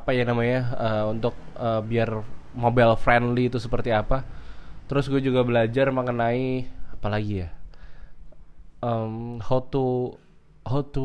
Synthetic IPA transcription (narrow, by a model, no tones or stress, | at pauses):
apajanamaɲaəːunt̪ʊk̚əbiarmobɛlfɾɛndliːt̪usəpərt̪iapat̪əɾʊsɡuad͡ʒuɡabəlad͡ʒarməŋənaiapalaɡija | əmhot̪u | hot̪u